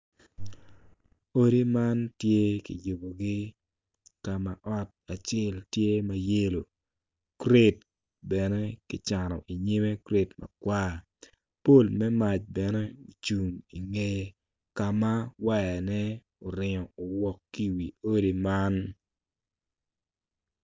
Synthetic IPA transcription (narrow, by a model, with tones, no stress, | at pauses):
o˦ɾi˦ma˦ntje˦kḭ˨jo˨bo˨ɡɪ˦ | ka˨ma˨ʔɔ˦t̚a˨t͡ʃe˦ltje˦ma˦je˦lo˨ | kɾe˦t | bɛ˨nɛ˦kɪ˨t͡ʃa˨nɔ̰˨ʔi˨ɲɪ˦me˦kɾe˨tma̰˨kwaː˦ | po˦˨lmɛ˦ma˨t͡ʃbɛ˨nɛ˦o˨t͡ʃu˨ŋi˨ŋe˦ | ka˨ma˦wa˦jɛ˨nɛ˦ | o˨ɾɪ˨ŋɔ˨o˨wɔ˨kːi˦˨wi˨o˦ɾi˦ma˦n